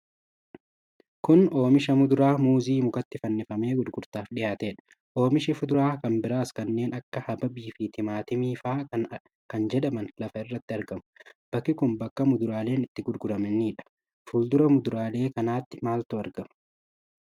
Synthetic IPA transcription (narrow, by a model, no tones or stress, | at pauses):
kʊno̞ːmɪʃɐmʊd̪ʊɾaːmuːziːmʊkɐt̪ːɪfɐnːɪfɐme̞ːɡʊd̪ɡʊɾt̪aːfᶑɪjaːt̪eːᶑɐ̥ | ʔo̞ːmɪʃɪfʊd̪ʊɾaːkɐnbɪɾaːskɐnːe̞ːnɐkːɐhɐbɐbiːfit̪ɪmaːt̪ɪmiːfaː | kɐnd͡ʒɛᶑɐmɐnlɐfɐɪrːɐt̪ːɪɐɾɡɐmʊ̥b̥ɐkːɪkʊmbɐkːɐmʊd̪ʊɾaːle̞ːnɪt̪ːɪɡʊd̪ɡʊɾɐmɛnːiːᶑɐ̥ | fuːld̪ʊɾɐmʊd̪ʊɾaːle̞ːkɐnaːt̪ːɪ̥maːlt̪ʊɐɾɡɐmɐ̥